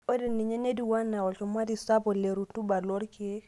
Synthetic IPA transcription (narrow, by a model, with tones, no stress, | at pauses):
o˦de˨nːi˨ɲe˦ne˦di˨wa˦nːa˨wɔ˨lt͡ʃo˨ma˦di˨sa˦bɔ˨le˨ɾu˨tu˦ba˨lo˦ɾke˦